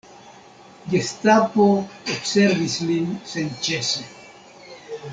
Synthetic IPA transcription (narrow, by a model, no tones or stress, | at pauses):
ɡest̪apoopseɾvislinsent͡ʃese